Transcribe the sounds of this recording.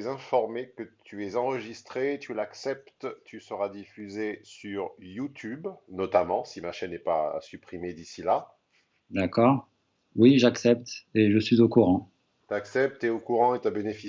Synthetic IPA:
zɛ̃fɔʁmekət̪ʰyɛzɑ̃ʁəʒist̪χet̪ʰylaksɛp̚t̪t̪ysəʁad̪ifyzesyʁjut̪ʰybnɔt̪amɑ̃simaʃɛnɛpa̰sypχimed̪isila | d̪akɔːʁ | wiʒaksɛp̚t̪eʒəsɥizokuʁɑ̃ | t̪yaksɛp̚t̪eokuʁɑ̃et̪yabenefi

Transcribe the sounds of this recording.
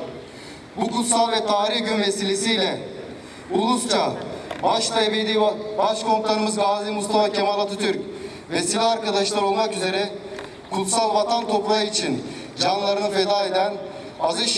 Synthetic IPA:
bukut̪salˠvɛt̪ʰaːɾihɟynveselʲesijlʲɛ | ulˠust͡ʃʰabaʃt̪ʰabid̪ibaʃkʰo̞nt̪lˠaɾɯmɯzɡaːzimust̪ʰafacʰemalˠat̪ʰɯt̪ʰyɾc | vesilʲiaɾkad̪aʃlˠaɾo̞lˠmakyze̞ɾɛ | kʰut̪salˠvat̪ʰant̪ʰo̞plˠaɯit͡ʃʰin | d͡ʒanlˠaɾɯnɯfe̞d̪aːe̞d̪æn | azɯʃ

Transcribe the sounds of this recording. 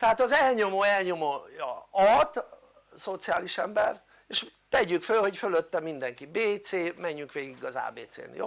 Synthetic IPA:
t̪ɛɦaːt̪ɒzɛlɲo̞moːɛlɲomoːjɒ̰ɒt̪ | so̞t̪sijaːliʃɛmbɛ̰r | eʃt̪ɛɟykfølho̞cføløt̪ːɛmind̪ɛŋkibeːt̪seːmɛɲːyŋkʋeːɡiɡɒza̰ːbeːt̪sḛːnjo̰

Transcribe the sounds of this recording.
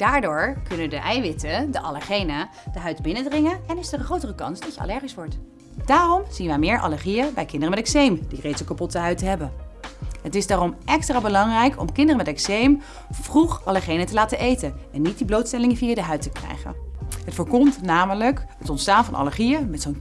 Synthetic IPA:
d̥aːɹdʊːɹkɵnəndəʔɛjʋɪtədəʔɑləɹχejnə | d̥əɦœɥtbɪnədrɪŋəɛnɪsətəχrowtərəkɑ̰nsdɑtjəa̰lɛɹχisʋɔɹt | d̥aːrɔmz̥inʋɛjmɪːɹʔɑ̰ləɹχijəbɛjkɪndərəmɛtɛksejmd̥irejtsəkapɔtəɦœɥtɦɛbə | ɦətɪzdaːrɔmʔɛkstraːbəlɑŋrɛjkʰɔ̰mkɪndərəmɛtɛksejm | v̥ruχɑləɹχejnətəlaːtənʔejtənɛnːit̚diblowtstɛlɪŋviːaːdəɦœɥtəkrɛ̰jχə̰nɦətfəɹkɔmtnaːmələkɦətɔntstaːnvɑnʔɑ̰ləɹχijəmɛtsown

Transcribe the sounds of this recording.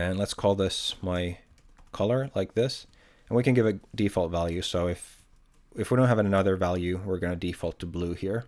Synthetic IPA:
ɨ̃nlətskʰɔlˠðɪsmaɪ | kʰʌlˠə˞laɪk̚ðɪs | ɨ̃n̩wikɨ̃nɡɪvɨt̚d̥ifɔlˠtvælˠjʉsoʊɪf | ɨfwidõʊ̃nɦɨvɨninʌðə˞vælˠjʉwɪɹɡʌnɨdifɔlˠtʰəbluhiɹ

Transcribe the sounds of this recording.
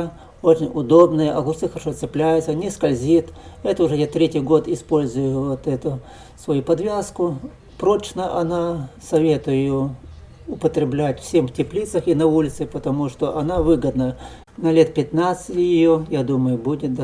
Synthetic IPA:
ot͡ɕɪnʲʊd̪o̞bnəjəʔɐɡʊt̪sɨxəɾɐʂot̪sɨplʲæjʊt̪sənʲɪskɐlʲzʲit̪ɛt̪əʊʐɛjat̪ɾʲetʲɪjɡo̞t̪ɪspo̞lʲzʊjʊvot̪ɛt̪ʊ | svɐjupɐd̪vʲaskʊ | pɾo̞t͡ɕnəʔɐnasɐvʲe̞t̪ʊjɪjo | ʊpət̪ɾʲɪblʲætʲfsʲemftʲɪplʲit̪səxinɐulʲɪt̪sɨpət̪ɐmuʂt̪oʔɐnavɨɡəd̪nə | nɐlʲe̞t̪̚pʲɪt̪nat̪sɨtʲjɪjojad̪uməjʊbudʲɪt̪̚d̪ɐ

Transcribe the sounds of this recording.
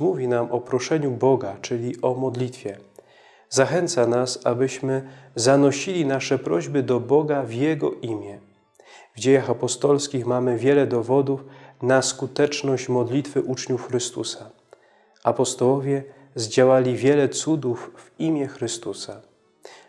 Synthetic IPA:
muvʲinamɔpɾɔʂɛɲubɔɡat͡ʂɘlʲiʔɔmɔd̪lʲit̪fʲjɛ | zaxɛnt̪sanasa̰bɘɕmɘzanɔɕilʲinaʂɛpɾɔʑbɘd̪ɔbɔɡavjɛɡɔʔimʲjɛ | vd͡ʑejaxapɔst̪ɔlskʲixmamɘvʲjɛlɛd̪ɔvɔd̪ufnaskut̪ɛt͡ʂnɔɕt͡ɕmɔd̪lʲit̪fɘʔut͡ʂɲufxɾɘst̪usa | apɔst̪ɔwɔvʲjɛ | zd͡ʑawalʲivʲjɛlɛt̪sud̪ufːimʲjɛxɾɘst̪usa

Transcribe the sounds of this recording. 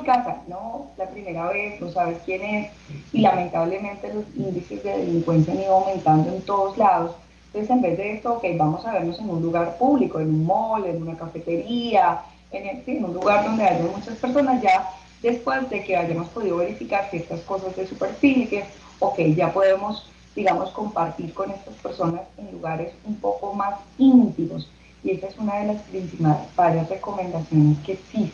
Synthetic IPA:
ikasa̰no̞lapɾime̞ɾaβe̞sno̞saβe̞skje̞ne̞s | ilamẽnt̪aβle̞mẽnt̪e̞lo̞sind̪isezd̪e̞ðḛliŋkwe̞ns̬janiðoawmẽ̞nt̪and̪oe̞nt̪o̞ð̞o̞zlaðo̞s | t̪onsese̞mbe̞zd̪e̞est̪oːke̞jbamo̞saβe̞ɾno̞se̞nunluɣaɾpuβliko̞enunmole̞nunakafe̞t̪e̞ɾia | enesienunluɣaɾd̪o̞nd̪e̞ad͡ʒamut͡ʃaspeɾs̬o̞nazd͡ʒa | d̪e̞spwe̞zd̪e̞ke̞aʝamo̞spo̞ð̞iðo̞βe̞ɾifikaɾsje̞ɾt̪asko̞sazd̪e̞supe̞ɾfilkes | okejd͡ʒapo̞ðe̞mo̞s | d̪̥iɣamo̞sko̞mpaɾt̪iɾko̞ne̞st̪aspe̞ɾso̞nase̞nluɣaɾe̞sumpo̞ko̞masint̪imo̞s | ie̞saesunað̞e̞laspɾinsimalbaɾjasre̞ko̞mẽ̞nd̪asjo̞ne̞ske̞ːksis

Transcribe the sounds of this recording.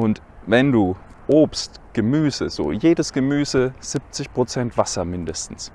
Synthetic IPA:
ʔʊnt | vɛnduː | ʔoːpstɡ̥əmyːzəz̥o̰ːjeːdəsɡ̥əmyːzəz̥ip̚t͡sɪçpʁ̥ot͡sɛntv̥asɐmɪndəstn̩s

